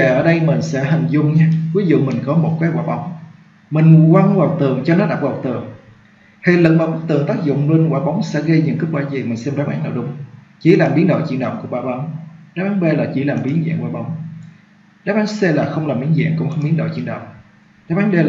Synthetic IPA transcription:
ɛ˧˨˩ʔəː˧˩ɗə˧jmï˨˩ŋ̟sɛ̰˧˥ɦï˨˩ŋ̟zʊ˧ŋ͡mɲaː˧vi˨˦zṵ˧˨mï˨˩ŋ̟kɔ˨˦mo˨˩t̚kwaː˨˦jkwaː˧˩ɓa˨˦wŋ͡m | mï˨˩ŋ̟ɣwa˧nwa˨˩w̚t̪ɨ˨˩əŋt͡ɕɔ˧nɔ˨˦˥ɗaː˨˩p̚ɣɔ˨˩w̚t̪ɨ˨˩əŋ | ha˧˩jlɨ̰˧˨˩k̚maː˨˩kə˦˥t̪ɨ˨˩ŋt̪aː˦˥k̚zʊ̰˧˨ŋ͡mli˧nkwaː˧˩ɓa˨˦wŋ͡msɛ̰˧˥ɣə˧jɲɨ̰˧˨nkɨ˦˥k̚waː˧˩zi˨˩mi˨˩ŋ̟sɛ˧mɗaː˦p̚ʔaː˨˦˥naː˨˩ɗʊ˨˦ŋ͡mt͡ɕi˧˩˦laː˨˩mɓi˨˦ənɗo̰˧˨t͡ɕḭ˧˨ənɗə̰˧˨wŋ͡mku˧˩əɓaː˧˩ɓa˨˦wŋ͡mɗaː˨˦˥pɓaː˨˦nɓe˧laː˨˩t͡ɕi˧˩˦laː˨˩mɓi˨˦ənzɛ̰ː˧˨ŋkwaː˧˩ɓa˨˦wŋ͡m | ɗaː˨˦˥p̚ʔaː˨˦ŋse˧laː˨˩xə˧wŋ͡mlaː˨˩mɓi˨˦ənzɛ̰ː˧˨nkʊ̰˧˥ŋ͡mxə˧ŋ͡mɓi˨˦ənɗo̰˧˨t͡ɕi˧˨ənɗə̰˧˨wŋ͡m | ɗaː˨˦˥p̚ɓaː˨˦nɓe˧l

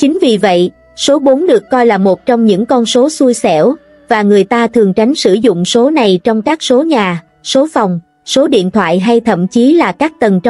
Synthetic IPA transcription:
t͡ɕï˨˦ŋ̟vi˨˩və̰˧˨j | so˨˦ɓo˨˦nɗɨ˨˩əkːɔ˧jlaː˨˩mo˨˩t̚t͡ɕɔ˧wŋ͡mɲɨ̰˧˥ŋkɔ˧nso˨˦su˧əjsɛ̰˧˩w | vaː˨˩ŋɨ˨˩əjt̪aː˧t̪ʰɨ˨˩əŋt͡ɕa˨˦ŋ̟sɨ˧˩zʊ̰˧˨ŋ͡mso˨˦na˨˩jt͡ɕɔ˧wŋ͡mkaː˦˥k̚so˨˦ɲaː˨˩ | so˨˦fa˨˩wŋ͡m | so˨˦ɗḭ˧˨ənt̪ʰwa̰ː˧˨jɦa˧jt̪ʰə̰˧˨mt͡ɕi˨˦laː˨˩kaː˦˥k̚t̪ə˨˩nt͡ɕ

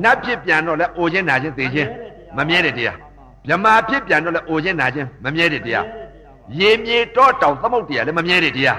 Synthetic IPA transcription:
na˦pʰjɪ̃˦˨pjã˨ndɔ˦˨lɛ˦ʔo˨d͡ʑɪ̃˦˨na˨d͡ʑɪ̃˦˨t̪e˨d͡ʑɪ̃˦˨ | mə˨mjɛ˦ɾɛ˦˨tə˦ja̰˨ | b̥jə˨ma˨pʰjɪ̃˦˨p̬jã˨ndɔ˦˨lɛ˦ʔo˨d͡ʑɪ̃˦˨na˨d͡ʑɪ̃˦˨mə˨mjɛ˦ɾɛ˦˨tə˦ja̰˦˨ | je˨mje˨tɔ˦˨tã˨t̪ə˦m˦o˦tːə˨ja˨lɛ˦˨mə˨mjɛ˦ɾɛ˦˨tə˦ja˦˨

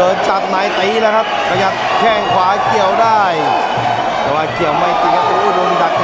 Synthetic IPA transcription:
ɤː˨˩nt͡ɕa˨˩t̪̚naː˨˩˦jt̪iː˨˦la˦˩kʰa˦˥p̚kʰa˧ja˨˩t̪̚kʰɛː˧˩ŋkʰwaː˨˦ki˨˩əwdaː˥˩j | t̪ɛː˨˧˦waː˧ki˨˩əwma˧˩jt̪i˨˧˩kʰa˧˥p̚ːaː˧˩ʔuː˧˩do˧ŋdiː˧˩da˨˩

